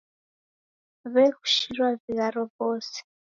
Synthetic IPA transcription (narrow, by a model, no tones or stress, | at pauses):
βɛɣu̥ʃirwaviɣaɾɔbɔːsɛ̥